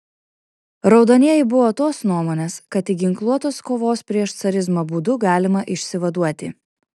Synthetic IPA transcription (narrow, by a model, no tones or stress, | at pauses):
ɾɒʊd̪oːnʲiɛjɪbʊʋoːt̪oːsnuɔmoːnʲeːskɐt̪ɪɡʲɪŋklˠuɔt̪oːskoːʋoːspʲɾʲiɛʃt̪sɐɾʲɪzmoːbuːd̪ʊɡɑːlʲɪmɐʔɪʃʲsʲɪʋɐd̪uɔt̪ʲɪ